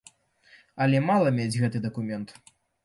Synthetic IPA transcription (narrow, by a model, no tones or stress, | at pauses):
ɐlʲɛmalˠɐmʲed͡zʲɣɛt̪ɨd̪ɐkumʲɛnt̪